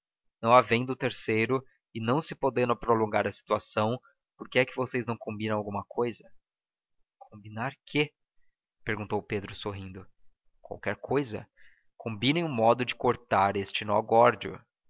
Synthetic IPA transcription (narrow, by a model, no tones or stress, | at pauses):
nɐ̃w̃avẽj̃d̪ʊt̪eɾsejɾʊ | ɪnɐ̃w̃sɪpod̪ẽnd̪ʊ̃pɾolõɡaɾɐsi̥t̪uasɐ̃w̃ | poɾkɪɛkɪvosejznɐ̃w̃kõmbĩnɐw̃awɡũmɐkʰojzɐ | kʰõmbinaɾkʰe | peɾɡũnt̪owped̪ɾʊsoɦĩnd̪ʊ | kwa̰wkɛɾkʰojzɐ̰ | kʰõmbĩnẽj̃ʊmɔd̪ʊd͡ʒɪkoɾt̪aɾest͡ʃɪnɔ̰ɡɔɾd͡ʒiʊ̰